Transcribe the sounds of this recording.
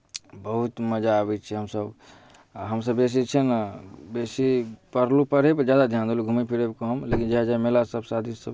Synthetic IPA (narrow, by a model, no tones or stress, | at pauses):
bəɦut̪məd͡ʒaəbɛt͡ʃʰiɦəmsəb | ɦəmsəbes̬it͡ʃʰinbesipəɾlupəɾepəd͡ʒjad̪ad̪ʱjand̪eluɡʱumipʰiɾebkəmlekind͡ʒeɦəd͡ʒaemelasəbsad̪ʱisəb